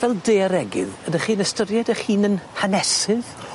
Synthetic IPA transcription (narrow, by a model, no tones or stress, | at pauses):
vɛlˠdeːɾɛɡɪ̰ðədəχiːnəstəɾjɛdəχiːnənhanɛsɨð